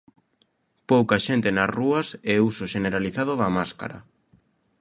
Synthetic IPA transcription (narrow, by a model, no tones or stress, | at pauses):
powkaʃent̪enazruɐsɛusoʃeneɾaliθaðʊðamaska̰ɾa̰